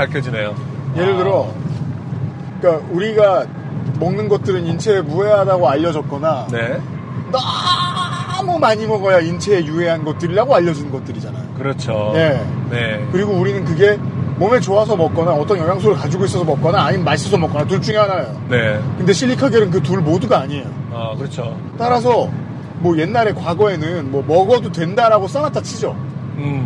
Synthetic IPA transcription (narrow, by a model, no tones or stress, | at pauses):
kaɭkʰjʌd͡ʑine̞jo | je̞ɾɯɭdɯɾʌ | k͈auɾiɡa | mʌŋnɯnɡʌt̚t͈ɯɾɯnint͡ɕʰe̞ːmue̞ɦadaɡoaʎːʌd͡ʑʌt̚k͈ʌnane̞ | na | mʌmaɲimʌɡʌjaint͡ɕʰe̞ːjuɦe̞ɦanɡʌt̚t͈ɯɾiɾaɡoaʎːʌd͡ʑunɯnɡʌt̚t͈ɯɾid͡ʑanajokɯɾʌt͡ɕʰoje̞nekɯɾiɡouɾinɯnk̬ɯɡe̞mʌmet͡ɕoasʰʌmʌk̚k͈ʌnaʌt͈ʌnjʌɦjaŋs̬ʰoɾɯɭkad͡ʑiɡois͈ʌsʰʌmʌk͈ʌnaːɲimmaɭs͈ʌsʰʌmʌk͈ʌnat̬uɭt͡ɕ͈uŋeɦanajonekɯnde̞ɕʰiʎːikʰaɡe̞nɯnk̬ɯt̬uɭmoduɡaːɲiejoakɯɾʌt͡ɕʰo | t͈aɾas̬ʰʌ | mwʌje̞nːaɾe̞kwaɡʌe̞nɯnmwʌmʌɡʌdotwe̞ndaɾaɡos͈ʌnatʰat͡ɕʰid͡ʑo